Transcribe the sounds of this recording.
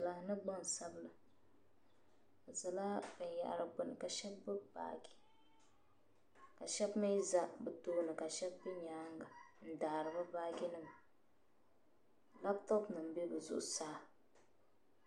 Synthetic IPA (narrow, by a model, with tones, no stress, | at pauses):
la˦nɨ˦ɡ͡bɔ˦n˨sa˦bɨ˦lɨ˨ | a˨za˨la˦bɛ˨n˨ja̰˨ʔa̰˨ɾɨ˦bʊ˨nɨ˨ka˨ʃɛ˦bːɨ˦ba̰ː˨ɡi˨ | ka˨ʃɛ˦bma˦i˦za˦bɨ˨toː˦lɨ˨ka˨ʃɛ˦bbi˦ɲaː˦ŋɡa˨n̩˦daː˨ɾɨ˨bɨ˦baː˦ɡi˦nɨ˦m | la˦btɔ˦pnɨ˨m˦be˦bɨ˨zʊ̰˨ʔʊ˨saː˦